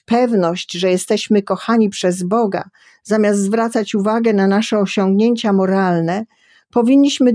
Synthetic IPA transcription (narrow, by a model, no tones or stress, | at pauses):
pɛvnɔɕt͡ɕʐɛjɛst̪ɛɕmɘkɔxaɲipʂɛzbɔɡa̰ | zamʲjast̪zvɾat̪sat͡ɕuvaɡɛnanaʂɛɔɕɔŋɡɲeɲt͡ɕamɔɾalnɛ | pɔvʲiɲʲːiɕmɘ